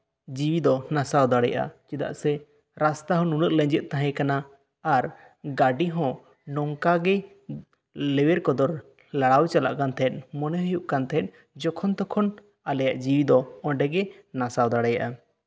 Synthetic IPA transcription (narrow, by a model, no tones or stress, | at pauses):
d͡ʒiwid̪ɔnasawd̪aɽɛja̰ʔa̰t͡ʃid̪a̰ʔsɛ | ɾast̪aɦɔ̃nunəʔ̪̚lɛɲd͡ʒɛt̪̚t̪aɦɛ̃kanaː | ɾ | ɡaɖiɦɔ̃ | nɔŋkaɡɛ | lɛwɛɾkɔd̪ɔɾ | laɽawt͡ʃala̰ʔkant̪ʰɛt̪̚ˀmɔnɛɦujuʔkant̪ʰɛt̪̚ˀ | d͡ʒɔkʰɔnt̪ɔkʰɔn | alɛjaʔd͡ʒiwid̪ɔɔ̃ɖɛɡɛnasawd̪aɽɛjaʔa